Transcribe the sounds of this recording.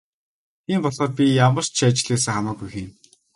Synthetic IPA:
t̪ʰiːmpɔɮχɔːt̪̚pʲijamə̆r̥t͡ɕt͡ɕʰat͡ɕɪ̆ɮeːs̬ɘ̆ŋχamaːɡujxin

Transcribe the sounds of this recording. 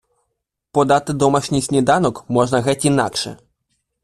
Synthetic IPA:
pɔd̪ɑt̪ɪd̪ɔmɐʃnʲisʲnʲid̪ɑnɔkmɔʒnɐɣɛtʲinɑ̰kʃɛ̰

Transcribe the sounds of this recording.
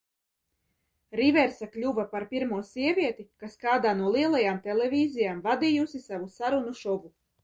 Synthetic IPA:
ɾivɛɾsaklʲuvapaɾpiɾmuɔsiɛvʲiɛt̪ikaskaːd̪aːnuɔlˠiɛlˠajaːmt̪ɛlɛvʲiːzijaːmvad̪ijusisavusaɾunuʃɔvu

